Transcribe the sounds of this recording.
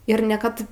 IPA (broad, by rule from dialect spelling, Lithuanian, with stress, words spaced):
ɪr nʲɛ ˈkɐt